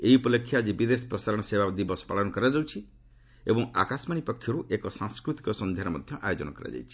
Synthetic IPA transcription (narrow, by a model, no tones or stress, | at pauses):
eiupɔlekʰːjad͡ʒibid̪esɔ̥pɾɔsaɾɔɽ̃ɔsebad̪ibɔsɔ̥paɭɔnɔkɔɾad͡ʒawt͡ʃʰi | ḛbɔŋa̰kasmaɽ̃ipɔkʰːjɔɾuʔekɔsãŋskɾut̪ikɔsɔnd̪ʱjaɾɔmɔd̪ʱjɔʔajod͡ʒɔnɔkɔɾa̰d͡ʒa̰jt͡ʃʰi̥